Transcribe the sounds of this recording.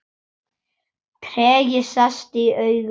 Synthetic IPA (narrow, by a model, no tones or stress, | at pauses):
kʰɾɛːjɪsast̪ɪœɥɣ